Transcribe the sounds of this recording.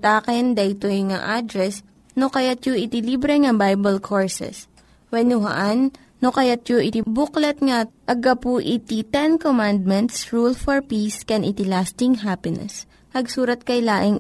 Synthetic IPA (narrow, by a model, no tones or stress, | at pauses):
t̪aːkɛnd̪ɐʔɪt̪ojŋa̰ʔad̪ɾɛs | nokɐjat̪̚joʔɪt̪ɪlibɾɛŋɐbajbɐlkʰoɹsɛ̰s | wɛnʊɦɐ̰ʔanː | okɐjat̪̚joʔɪt̪ɪbuklɐt̪̚ŋɐʔɐɡɐpuʔɪt̪it̪ɛnkomand̪̚mɛnt̪sɹulfɔɹpiskɛnʔɪt̪ɪlast̪ɪŋɦapɪnɛ̰s | pɐɡsuːɾɐt̪̚kɐjlaːʔɪŋ